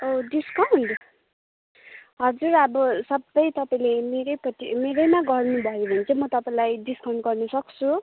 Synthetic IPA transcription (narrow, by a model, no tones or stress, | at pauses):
oɖiskand̪o | ɦʌd͡zuɾʌbʌsʌbːʌjt̪ʌpaĩlemeɾʌjpʌtimeɾʌjmaɡʌrnubʱʌjobʱʌnt͡sʰʌmʌt̪ʌpãĩlajɖiskʰawɳɖɡʌrnʌsʌkt͡sʰu